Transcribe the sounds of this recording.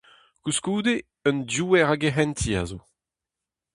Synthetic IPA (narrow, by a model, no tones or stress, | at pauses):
kuskuːd̪e | œndjuːɛʁaɡeɦɛnt̪ʰia̰zo